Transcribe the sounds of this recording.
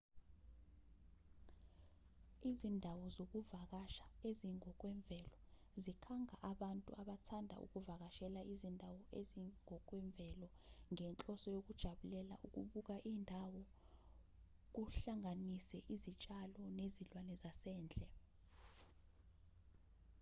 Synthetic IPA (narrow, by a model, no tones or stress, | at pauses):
izindʱawɔzok̬uvak̬aʃḁeziŋɔk̬ʼwɛɱb̪vʱɛlɔ | zikʰaŋʱaʔaɓantʼṵaɓatʰandʱa̰ṵk̬uvak̬aʃɛlaizindʱawɔeziŋɔk̬wɛɱb̪vʱɛlɔ | ŋɛnt͡ɬʼɔsɔjok̬ud̥ʒ̥ʱaɓulɛla̰ʔuk̬ṵɓuk̬aʔiːndʱawɔ | k̬uɬaŋanisɛʔizit͡ʃʼalɔnezilwanɛzasɛːnd͡ɮʱɛ